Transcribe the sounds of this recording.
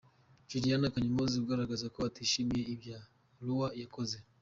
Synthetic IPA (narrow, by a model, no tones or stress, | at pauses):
t͡ʃuɾianakaɲimɔziuɡaɾaɡazakɔwatiʃimiɛivja | luwajakɔzɛ